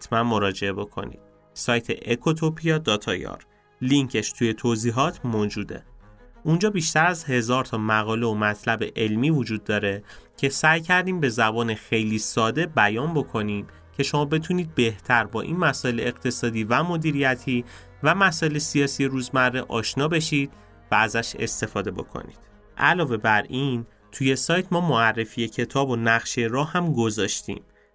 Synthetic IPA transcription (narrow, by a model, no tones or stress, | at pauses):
hæt̪ʰmænmo̞ɾɒːd͡ʒe̞e̞bo̞kʰo̞̰nḭːd̪̥̚ | sɒːjt̪ʰe̞ʔekʰo̞t̪ʰopʰijɒd̪ɒːt̪ʰɒ̰jɒ̰ɾ | liŋcʰe̞ʃt̪ʰuje̞t̪ʰoziːɦɒːt̪ʰmoːd͡ʒuːd̪e̞̰und͡ʒɒːbiːʃt̪æɾæzhe̞zɒːɾt̪ʰɒːmæɣɒːle̞omæt̪ʰlæbe̞ʔe̞lmiːvod͡ʒuːd̪̚ːɒːɾe̞cʰe̞sæjcʰæɾd̪iːmbe̞zæbɒːnexe̞jliːsɒːd̪e̞bæjɒːnbo̞kʰo̞niːm | cʰe̞ʃo̞mɒːbe̞t̪ʰuːniːd̪̚be̞ht̪ʰæɾbɒːʔḭnmæsɔːʔe̞leeɢt̪ʰe̞sɒːd̪iːvæmo̞d̪iːɾijæt̪ʰiː | væmæsɒːʔe̞lesijɒːsijeɾuːzmærːeʔɒːʃnɒːbe̞ʃiːd̪̚ | vææzæʃe̞̰st̪e̞fɒːd̪e̞bo̞̰kʰo̰nḭːd̪̥ | ʔælɒːve̞bæɾin | t̪ʰuje̞sɒːjt̪ʰmɒːmoærːe̞fije̞cʰe̞t̪ʰɒːbo̞næɣʃeɾɒːhæmɡo̞zɒːʃt̪ḭːm